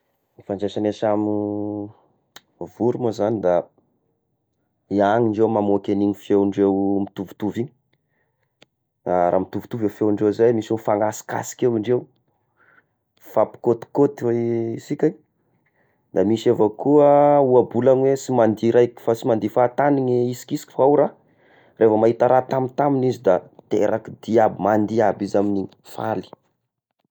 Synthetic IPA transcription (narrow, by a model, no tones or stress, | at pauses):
nifand͡ʒeʃanesam | vuɾumozanid̪a | iaŋiɳɖ͡ʐewmamokeniɲifewɳɖ͡ʐewmit̪uvu̥t̪uviɲ | aɾa̰ːmit̪uvu̥t̪uvefewiɳɖ͡ʐewzajmisunfaŋasi̥ka̰si̥kewiɳɖ͡ʐew | fapi̥kot̪i̥kot̪iweisikʲaɲ | d̪amisevakuəuabulanwesimand̪iɾajki̥fasimand̪ifat̪aniɲeisi̥kisi̥kʲi̥fawɾa | rʔefamaɦit̪aɾat̪amint̪aminizid̪at̪ḛɾakid̪iabimand̪iabizamini | fa̰li̥